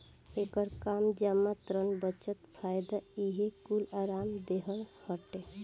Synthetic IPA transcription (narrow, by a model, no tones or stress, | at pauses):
ekəɾkamd͡ʒamat̪ɾənbət͡ʃət̪pʰajd̪aiɦekulaɾamd̪eɦəlhəʈe